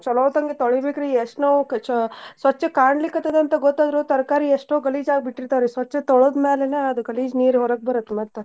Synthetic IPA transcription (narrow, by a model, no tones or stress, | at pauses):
t͡ʃɔlɐʋt̪ɐŋɡet̪ɔɭibeːkɾieʂʈnɐʋ | sʋɐt͡ʃːɐkaːɳlikːɐt̪ːɐd̪eɐnt̪ɐɡɔt̪ːaːd̪ɾuːt̪ɐɾkaːɾieʂʈoːɡɐliːd͡ʒaːɡ̚biʈːiɾt̪aʋɾisʋɐt͡ʃːɐt̪ɔɭoːd̪meːleneɐd̪uɡɐliːd͡ʒniːɾɦɔɾɐk̚bɐɾɐt̪ːemɐt̪ːe